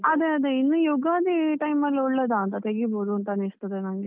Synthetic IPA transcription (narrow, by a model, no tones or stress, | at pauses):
ɐd̪eɐd̪einːujuɡaːd̪iʈɐjmɐlːuɭːed̪aːnt̪ɐt̪eɡiboːd̪uɐnt̪ɐɐnist̪ɐd̪enaːŋɡe